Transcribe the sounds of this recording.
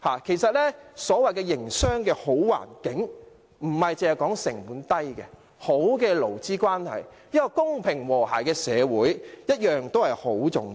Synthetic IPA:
haː˨kʰe˨˩jsɐ˨t̚lɛ˥sɔː˨˥wɐ˨jkɛː˧jɪ˨˩ŋsœː˥ŋkɛː˧ho˨˥wwa̰ː˨˩nkɪ˨˥ŋ | m̩˨˩hɐ˨jt͡sɪ˨˧hɐ˨˩jkɔː˨˥ŋsɪ˨˩ŋmuː˨˥nt̪ɐ˥jkɛ̰˧ | ho˨˥wkɛː˧lo˨˩wt͡siː˥kʷwaː˥nhɐ̰˨jjiː˥kɔ˧kʊ˥ŋpʰɪ˨˩ŋwɔː˨˩ha̰ː˨˩jkɛː˧sɛː˨˧wuː˨˥jjɐ˥t̚jœː˨ŋt̪o˥whɐ˨jho˨˥wt͡sʊ̰˨˩ŋ

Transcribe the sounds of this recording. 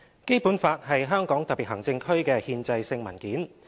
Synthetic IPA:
ke˥jpuː˨˥nfaː˧t̚hɐ˨jɦœː˥ŋkɔː˨˥ŋt̪ɐ˨pːi˨t̚ɦɐ˨˩ŋt͡sɪ˧ŋkʰɵ˥ɥkɛː˧hiː˧nt͡sɐ˧jsɪ˧ŋmɐ̰˨˩nkiː˨˥n

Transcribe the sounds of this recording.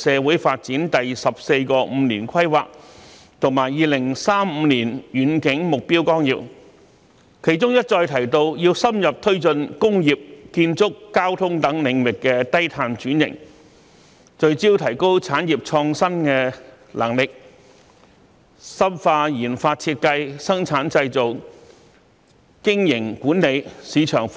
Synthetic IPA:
sɛː˨˧wuː˨˥jfaː˧t̚t͡siː˨˥nt̪ɐ˨jsɐ˨p̚se˧jkɔː˧m̩˨˧niː˨˩nkʰɐ˥jwaː˨k̚ | t̪ʰʊ˨˩ŋmaː˨˩jːiː˨˧lɪ˨˩ŋsaː˥m̩ː˨˧niː˨˩njyː˨˥nkɪ˨˥ŋmʊ˨k̚piː˥wkɔː˥ŋjḭː˨w̚ | kʰe˨˩jt͡sʊ˥ŋjɐ˥t̚t͡ʃɔː˧jt̪ʰɐ˨˩jt̪o˧wjiː˧wsɐ˥mjɐ˨p̚t̪ʰɵ˥ɥt͡sɵ˧nkʊ˥ŋjiː˨˩p̚kiː˧nt͡sʊ˥kːaː˥wt̪ʰʊ˥ŋt̪ɐ˨˥ŋlɪ˨˧ŋwɪ˨kːɛː˧t̪ɐ˥jt̪ʰaː˧nt͡ʃyː˨˥njɪ̰˨˩ŋ | t͡ʃɵ˧ɥt͡siː˥wt̪ʰɐ˨˩jko˥wt͡sʰaː˨˥njiː˨˩p̚t͡ʃʰɔː˧ŋsɐ˥nkɛː˧ | lʔɐ̰˨˩ŋlɪ˨k̚ | sɐ˥mfaː˧jiː˨˩nfaː˧t̚t͡sʰiː˧t̚kɐ˧jsɐ˥ŋt͡sʰaː˨˥nt͡sɐ˧jt͡so˨w | kɪ˥ŋjɪ˨˩ŋkuː˨˥nne˨˧jsiː˨˧t͡ʃʰœː˨˩ŋ

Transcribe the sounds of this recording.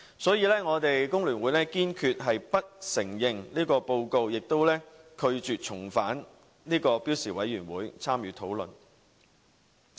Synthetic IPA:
sɔː˨˥jiː˧lɛː˥ŋɔː˨˧t̪e˨jkʊ˥ŋlyː˨˩nwuː˨˥jlɛː˥kiː˥nkʰyː˧t̚ɦɐ˨jpɐ˥t̚sɪ˨˩ŋjɪ˨ŋliː˥kɔː˧po˧wko˧wjɪ˨k̚t̪o˥wlɛː˥kʰɵ˧ɥt͡ʃyː˨t̚t͡ʃʰʊ˨˩ŋfaː˨˥n | liː˥kɔː˧piː˨˥wsiː˨˩wɐ˨˥jːyː˨˩nwuː˨˥jt͡sʰaː˥mjyː˨˥t̪ʰo˨˥wlɵ˨n

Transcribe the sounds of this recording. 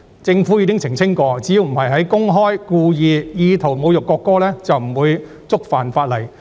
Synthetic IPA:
t͡sɪ˧ŋfuː˨˥jiː˨˧˥ɪ˥ŋt͡sʰɪ˨˩ŋt͡sʰɪ˥ŋkɔː˧t͡siː˨˥ji˧wm̩˨˩hɐ˨jɦɐ˨˥jkʊ˥ŋɦɔː˥jkuː˧jiː˨˧jiː˧t̪ʰo˨˩wmo˨˧wjʊ˨kːɔː˧kːɔː˥lɛː˥t͡sɐ˨wm̩˨˩wuː˨˧j | t͡sʊ˥k̚faː˨nfaː˧t̚lɐ˨˩j

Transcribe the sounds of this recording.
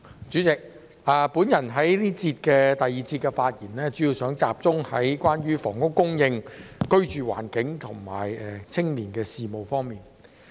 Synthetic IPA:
t͡ʃyː˨˥t͡sɪ˨k̚ | aː˨˧puː˨˥njɐ˨˩nɦɐ˨˥jliː˥t͡sʰiː˧t̚kɛː˧t̪ɐ˨jiː˨t͡sʰiː˧t̚kːɛ˧faː˧t̚jiː˨˩nlɛː˥t͡ʃy˨˥jiː˨˧wsœː˨˥ŋt͡sa̰ː˧p̚t͡sʊ˥ŋhɐ˨˥jkwaː˥nɥyː˥fɔː˨˩ŋkʊ˥kʊ˥ŋjɪ˧ŋkɵ˥ɥt͡ʃyː˨wa̰ː˨˩nkɪ˨˥ŋt̪ʰʊ˨˩ŋma̰ː˨˩jɛ˨t͡sʰɪ˥ŋliː˨˩nkɛː˧siː˨mo˨wfɔː˥ŋmiː˨n

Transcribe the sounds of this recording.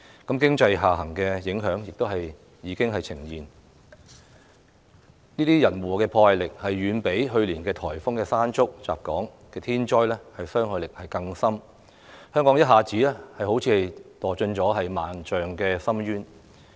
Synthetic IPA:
kɐ˨˥mkɪ˥ŋt͡sɐ˧jɦaː˨ɦɐ˨˩ŋkɛː˧jɪ˨˥ŋɦœː˨˥ŋjɪ˨k̚t̪o˥whɐ˨j | jiː˨˧˥kɪ˥ŋɦɐ˨jt͡sʰɪ˨˩ŋjiː˨˩n | niː˥t̪iː˥jɐ˨˩nwɔː˨kɛː˧pʰɔː˧hɐ˨˧jlɪ˨k̚hɐ˨jːyː˨˧npe˨˥jɦɵ˧ɥliː˨˩nkɛː˧t̪ʰɔː˨˩jfʊ˥ŋkɛː˧saː˥nt͡sʊ˥k̚t͡sa̰ː˨˩p̚kɔː˨˥ŋ | kɛː˧t̪ʰiː˥nt͡ʃɔː˥jlɛ˥hɐ˨jsœː˥ŋhɵ˨˧jlɪ˨k̚hɐ˨jkɐ˧ŋsɐ˥m | hœː˥ŋkɔː˨˥ŋjɐ˥t̚ɦaː˨t͡siː˨˥lɛː˥hɐ˨jho˨˥wt͡sʰiː˧hɐ˨jt̪ɔː˨˩t͡ʃɵ˧nt͡sɔː˨˥ɦɐ˨jmaː˨nt͡ʃœː˨ŋkɛː˧sɐ˥mɥyː˥n

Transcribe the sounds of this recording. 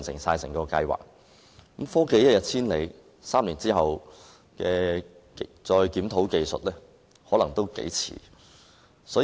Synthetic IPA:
nsɪ̰˨˩ŋsaː˧jsɪ̰˨˩ŋkɔː˧kɐ˧jwa̰ː˨˩k̚ | kmfɔː˥ke˧˨˥jɐ˥t̚jɐ˨t̚t͡sʰiː˥nle˨˧j | saː˥mliː˨˩nt͡siː˥ɦɐ˨w | kɛː˧ | t͡sɔː˧jkiː˨˥mt̪ʰo˨˥wke˨˧jsɵ˨t̚lɛː˥ | hɔː˨˥lɐ˨˩ŋt̪o˥wkḛ˨˥jt͡sʰḭː˨˩ | sɔː˨˥

